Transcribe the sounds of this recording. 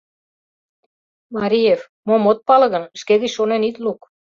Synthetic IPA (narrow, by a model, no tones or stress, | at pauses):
mɑɾʲijev | momot̪̚pɑlɤ̆ɣə̆nʃked̪iʃʃonenit̪luk